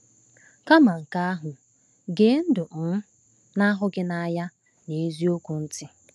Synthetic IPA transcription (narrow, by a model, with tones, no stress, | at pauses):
ka˦ma˨ŋ̩˨ka˦a˦ɦʊ˨ | ɡe˨˦n̩˦dʊ˨m̩˦ | na˦ɦʊ˦ɡɪ˦na˦ja˦ | ne˨˦zi˦o˦kʷu˨n̩˦tɪ˦